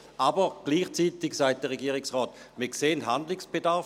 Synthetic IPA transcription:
ʔabəʁɡ̥liːχt͡siːtɪksaɪt̚d̥əʁeɡiːʁɪksʁɔːt | miːɐkseːntɦandlɪksb̥edaʁf

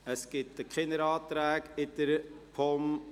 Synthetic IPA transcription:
əsɡ̥ɪt̚dəkχɪnəɾɑːtɾæːɡɪd̥̪əɾpʰɔm

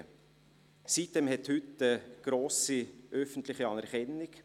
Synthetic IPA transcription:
sit̚d̥ɛmhɛthʏtːəɡ̥ɾoːsiʔœfəntlɪχiɑnæɾχɛnːɪk

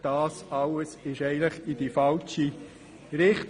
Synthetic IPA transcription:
d̥ɑːsɑləsɪʃɛɪɡəntləχid̥ifɑlt͡ʃi | ɾɪχt

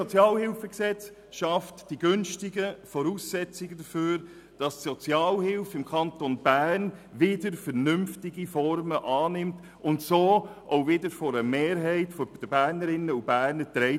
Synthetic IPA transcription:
sɔt͡sjɑːlhɪlfəksɛt͡s | ʃɑftd̥iɡʏnʃtɪɡəfɔɾuːsːɛt͡sɪɡədəføːɾ | d̥ɑstsɔt͡sjɑːlhɪlfɪmkʰɑntonb̥æɾnvɪdəɾfɛɾnʏmftɪɡifɔɾməʔɑːnɪmt | ʊntsoːʔoʊvɪdəɾfɔɾəmeːɾɦɛɪtfɔd̥əbæːɾnəɾɪnəub̥æːɾnətɾɛɪ

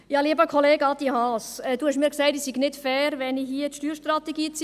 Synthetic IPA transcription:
jɑːliːəbəkʰoleːɡɑd̪ihɑsɛːd̥uːhæʃmiːɾksæɪtisiɡnɪtfɛːɾʋɛniɦiət̪ʃtyːɾʃtrɑt̪ɛɡiːt͡sː

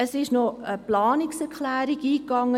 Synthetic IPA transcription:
əsɪʃnoəplɑːnɪksɛɾklæːɾiɡiːkːɑŋːə

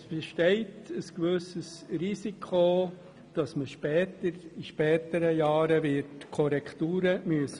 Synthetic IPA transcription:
sb̥eʃtɛɪtəskʋøsəsrisikʰo | d̥ɑsməʃpɛːtəɾiʃpɛːtəɾəjɑːɾəvɪtkʰɔɾɛktuːɾəmyəsə

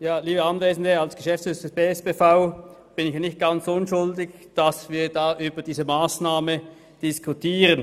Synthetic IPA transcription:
jaːliːbəanveːzn̩dəalsɡ̥əʃɛftt͡ssʏsəsb̥eːɛsb̥eːfaʊ | b̥ɪnɪçjanɪçt̚ɡ̥ant͡sʊnʃʊldɪç | d̥asviːɐdaːʔyːbɐdiːzəmaːsnaːmə | d̥ɪskʰutʰiːʁən

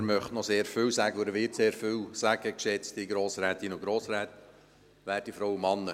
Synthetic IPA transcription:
ɾmœχtnɔseːɾfʏwsæɡəʊdəʋɪːtseːɾfʏwsæɡ̥əkʃɛt͡stiɡɾoːsɾɛːt̪inʊɡ̥ɾoːsɾɛːt̪ | ʋæːɾd̥ifɾɔwəmɑnːə

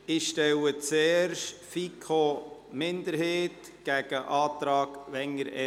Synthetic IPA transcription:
ɪʃtɛwət͡sɛːɾʃfikʰomɪnd̪əɾheːt̪ | ɡ̥æɡ̥əʔɑːt̪ɾɑːɡʋɛŋəɾɛ

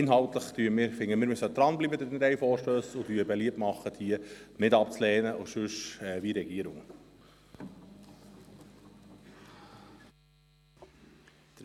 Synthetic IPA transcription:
ɪnɦɑlt̪ləχt̪yːəmɪːɾfɪŋːəmɪːɾmysəd̪ɾɑnblibəd̪ədɛnɾɛjfɔːɾʃtøːsʊtyːəbɛliəptmɑχːətʰiːənɪdɑp̚t͡slɛːnəʔʊʃʉʃɛviɾɛɡ̥iəɾʊŋ

